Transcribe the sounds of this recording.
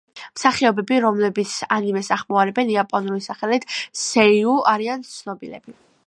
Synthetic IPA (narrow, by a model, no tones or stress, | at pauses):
msaχiɔbɛbiɾɔmlɛbit̪sʰanimɛsaχmɔaɾɛbɛniapʼɔnulisaχɛlit̪ʰsɛiuaɾiant̪sʰnɔbilɛ̰b̥i